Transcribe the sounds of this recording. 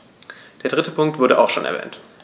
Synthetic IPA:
d̥eːɐdʁɪtəpʰʊŋk̚tv̥ʊɐdəʔa̰ʊxʃoːnʔɛ̰ɐvɛ̰ːnt

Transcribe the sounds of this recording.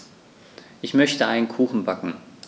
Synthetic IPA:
ʔɪçmœçtəʔaɪnənkʰuːxn̩bakŋ̩

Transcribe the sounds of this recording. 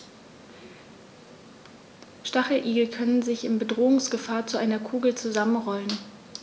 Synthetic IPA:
ʃtaχəʔiːɡl̩kʰœnənzɪçɪnbədʁoːʊŋsɡ̥əfaːɐt͡suʔaɪnɐkʰuːɡl̩t͡suzamənʁɔlən

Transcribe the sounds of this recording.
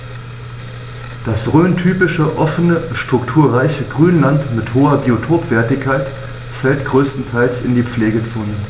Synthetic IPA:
d̥asʁøːntʰyːpɪʃəʔɔfənəʃtʁ̥ʊktʰuːɐʁaɪçəɡʁyːnlantmɪthoːɐbiotʰoːpv̥ɛɐtɪçkʰːaɪt | fɛltɡ̥ʁøːstn̩tʰaɪlsɪndiːp͡fleːɡət͡soːnə

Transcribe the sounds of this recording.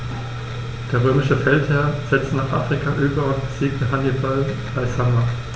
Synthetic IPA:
d̥eːɐʁ̞øːmɪʃəfɛlthɛɐz̥ɛt͡stnaːχʔa̰ːfʁ̥ikʰaʔyːbɐʊntb̥əz̥iːk̚təɦanibal | aɪshama

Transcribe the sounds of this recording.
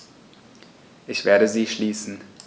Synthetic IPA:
ʔɪçv̥eːɐɾəziːʃliːsn̩

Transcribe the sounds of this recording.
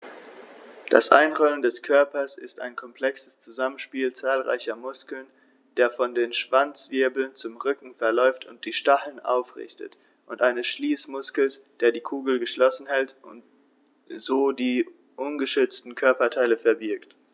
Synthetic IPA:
d̥a̰sʔa̰ɪnʁɔləndɛskʰœɐpɐsɪsta̰ɪnkʰɔmpl̥ɛksə̥st͡suzamənʃpiːlt͡saːlʁa̰ɪçɐmʊskl̩n | d̥eːɐfɔndeːnʃv̥ant͡sv̥ɪɐbl̩nt͡sʊmʁʏkŋ̩fɛɐlɔʏftʊnt̚d̥iːʃtaχl̩nʔa̰ʊfʁɪ̰çtə̰t | ʔʊntʔaɪnəsʃliːsmʊskl̩sd̥eːɐdiːkʰuːɡl̩ɡəʃlɔsn̩hɛltʔʊ̰nt | z̥oːdiː | ʔʊnɡəʃʏt͡stn̩kʰœɐpɐtʰaɪləfɛɐbɪɐkt

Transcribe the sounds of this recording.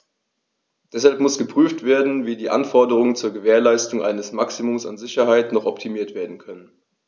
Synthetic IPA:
d̥ɛshalpmʊsɡ̥əpʁ̥yːftv̥eːɐdn̩viːdiːʔa̰nfɔɐdəʁ̞ʊŋənt͡suːɐɡəveːɐlaɪstʊŋʔa̰ɪnəsmaksimʊmsa̰nzɪçɐɦaɪtnɔχɔptʰimiːɐtv̥eːɐdn̩kʰœnən

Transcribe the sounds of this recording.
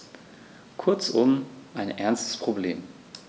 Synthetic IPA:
kʰʊɐt͡sʔʊmʔaɪnʔɛɐnstə̥spʁ̥oblḛːm

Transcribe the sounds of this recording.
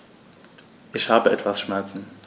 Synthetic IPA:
ʔɪçhaːbəɛtv̥asʃmɛɐt͡sn̩

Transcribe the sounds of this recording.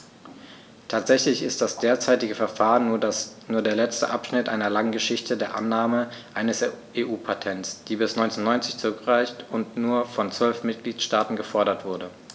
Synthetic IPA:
tʰaːtz̥ɛçlɪçɪst̚d̥asd̥eːɐt͡saɪtɪɡəfɛɐfaːʁənnuːɐdeːɐlɛt͡stə̰ʔapʃnɪtʔa̰ɪnɐlaŋɡəʃɪçtədeːɐʔa̰nːaːməʔaɪnəsʔeːʔuːpʰatʰɛntsd̥iːbɪsnɔʏnt͡snːɔʏnt͡sɪçt͡sʊʁʏkʁ̥aɪçtʊntnuːɐfɔnt͡sv̥œlfmɪt̚ɡ̥liːtʃtaːtn̩ɡəfɔɐɾɐtv̥ʊɐdə

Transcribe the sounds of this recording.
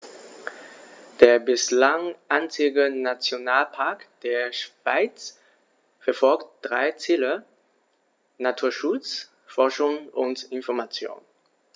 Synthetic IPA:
d̥eːɐbɪslaŋʔant͡sɪɡənat͡sjonaːlpʰaɐkd̥eːɐʃv̥aɪt͡s | fɛɐfɔlktd̥ʁaɪt͡siːlə | natʰuːɐʃʊt͡s | fɔɐʃʊŋʔʊntɪnfɔɐmat͡sjo̰ːn

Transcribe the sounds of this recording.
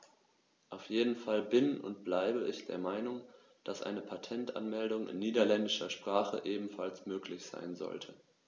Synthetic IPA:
ʔaʊfjeːdn̩falbɪnʊ̰ntb̥laɪbəɪçd̥eːɐmaɪnʊŋ | d̥asʔa̰ɪnəpʰatʰɛntʔa̰nmɛldʊŋɪ̰nːiːdɐlɛndɪʃɐʃpʁ̥aːχə̰ʔeːbm̩falsmøːkʰlɪçz̥a̰ɪnzɔ̰ltʰə

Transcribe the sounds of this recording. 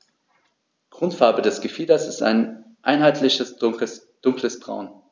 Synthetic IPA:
ɡ̥ʁ̥ʊntfaɐbədɛsɡ̥əfiːdɐsɪsta̰ɪn | ʔa̰ɪnɦaɪtʰlɪçəs | d̥ʊŋkləsb̥ʁa̰ʊn

